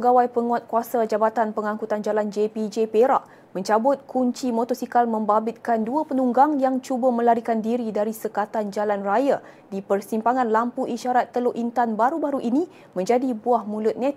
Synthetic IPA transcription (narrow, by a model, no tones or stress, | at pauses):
əɡawajpəŋuat̪̚kuasad͡ʒabat̪anpəŋãŋkut̪and͡ʒaland͡ʒepid͡ʒepeɾaʔ | mə̃ɲt͡ʃabʊt̪̚kʰuɲt͡ʃimot̪ɔsikalmə̃mbabɪt̪̚kanduapənuŋɡaŋjaŋt͡ʃubamə̃laɾikandiɾidaɾisəkat̪and͡ʒalanraja | dipərsimpaŋãnlampuʔiʃaɾat̪ːəloʔint̪anbaɾubaɾuʔinĩ | mə̃ɲd͡ʒadibuahmũlʊt̪̚nɛ̃t̪